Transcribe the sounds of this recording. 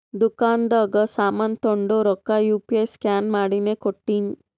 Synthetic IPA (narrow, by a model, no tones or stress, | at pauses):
d̪ukand̪əːɡəsamant̪oɳɖoɾɔkːajupieskanmaɽinekoʈːin